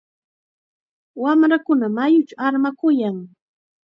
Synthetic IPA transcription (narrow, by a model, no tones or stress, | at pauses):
wamɾakʊnamajʊt͡ʃaaɾmakʊjaŋ